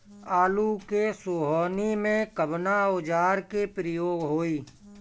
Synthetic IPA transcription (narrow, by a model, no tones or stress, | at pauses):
aːlukesoːɦɔːnimẽkəbnaʊd͡ʒaːɾkepɾəjoːɡɦoːiː